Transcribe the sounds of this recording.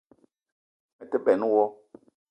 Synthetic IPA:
mɛ˨tɛ˦bɛ˨n˦wɔ˦

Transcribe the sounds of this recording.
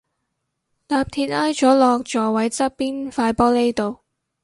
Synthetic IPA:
laː˧p̚t̪ʰiː˧t̚aː˥jt͡ʃɔː˨˥lɔː˧k̚t͡ʃɔː˨˩wɐ˨˥jt͡sɐ˥piː˥nfaː˧jpɔː˥le˥jt̪o˨˧w

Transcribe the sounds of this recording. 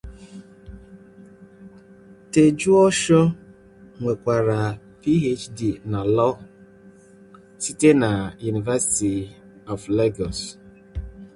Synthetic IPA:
te˨d͡ʒu˦ɔ˦ʃɔ˦ | ŋʷe˨kʷa˨ɾa˨ | pi˦ɦe˦t͡ʃdi˨na˨lɔ˦ | si˦te˦na˨ju˨ni˨va˦si̥˨ti˨ | ɔ˨vle˦ɡɔ˨s

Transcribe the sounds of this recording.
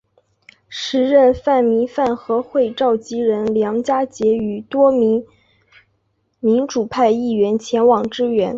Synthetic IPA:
ʂɻ̩˧˥ɻə˥˧nfa˥˩nmi˧˥fa˥˩nxɤ˧˥xwe˥˧ɪʈ͡ʂɑ˥˩ʊt͡ɕi˥ɻə˧˥nljɑ˧˥ŋt͡ɕja˥t͡ɕjɛ˧˥y˨˩t̪wɔ˥mi˧˥ŋ | mi˧˥ŋʈ͡ʂu˨˩pʰa˥˧ɪi˥˩ɥɛ˧˥nt͡ɕʰjɛ˧˥nwɑ˨˩ŋʈ͡ʂɻ̩˥ɥɛ˧˥n

